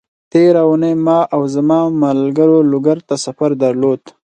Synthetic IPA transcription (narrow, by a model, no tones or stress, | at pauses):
t̪eɾaunejmɑʔawzamɑmalɡəɾolʊɡaɾt̪asafaɾd̪aɾlod̪